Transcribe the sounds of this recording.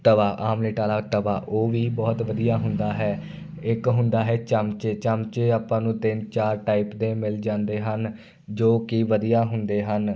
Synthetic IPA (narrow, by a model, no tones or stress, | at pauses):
t̪əʋaːʔaːmleːʈaːlaːt̪əʋaːʔoːʋiːbɔːt̪ʋəd̪ijaːɦʊnd̪aːɦɛː | ɪkɦʊnd̪aːɦɛːt͡ʃəmt͡ʃeːt͡ʃəmt͡ʃeːaːpːãːnũːt̪ɪnt͡ʃaːɾʈaːipd̪eːmɪld͡ʒãːnd̪eːɦən | d͡ʒoːkiʋəd̪ijaːɦʊnd̪eːɦən